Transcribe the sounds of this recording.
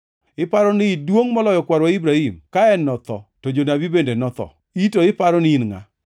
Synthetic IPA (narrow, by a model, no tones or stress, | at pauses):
ɪpaɾɔnɪdwoŋmɔlɔjɔkwaɾwaibɾahimkaɛnːɔt̪ɔ̰tod͡ʒonabibendenɔt̪ɔ̰ | itoɪpaɾɔnɪinŋa̰